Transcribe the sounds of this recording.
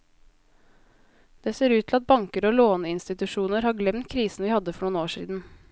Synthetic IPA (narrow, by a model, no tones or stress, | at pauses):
d̪̥eːseːɾʉːt̪ʰɪl̩ɑt̪̚bɑŋkəɾoːloːnəɪnst̪ɪt̪ʉʂuːnəɾhɑːɡlɛmt̪̚kʰɾiːsn̩ʋɪːhɑd̪ːəfɔɳuːnoːʂḭːd̪n̩